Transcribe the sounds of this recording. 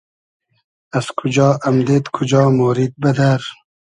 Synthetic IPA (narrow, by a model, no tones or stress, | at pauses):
azkʰud͡ʒɑːɐmd̪et̪kʰud͡ʒɑːmoːɾid̪̚bɐd̪aɾ